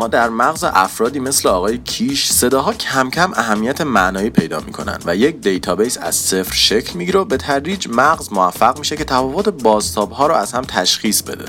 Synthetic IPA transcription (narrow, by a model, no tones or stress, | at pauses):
mɒːd̪æɾmæɣzḛʔæfɾɒːd̪iːme̞sleɒːɣɒːjecʰiːʃse̞d̪ɒːɦɒːcʰæmcʰæmʔæɦæmːijæt̪ʰemæʔnɒːiːpʰe̞jd̪ɒ̰ːmḭːkʰo̞̰næ̰nd̪væjec̚d̪e̞jt̪ʰɒːbejsæ̰z̥se̞fɾʃe̞cʰlmiɟiɾebe̞t̪ʰæɾɾiːd͡ʒmæɣzmoæfːæɣmiːʃe̞cʰe̞t̪ʰæfɒvot̪ʰe̞bɒːzt̪ʰɒːbɦɒːɾɔæz̥hæmt̪ʰæʃχiːsbe̞̰d̪ḛ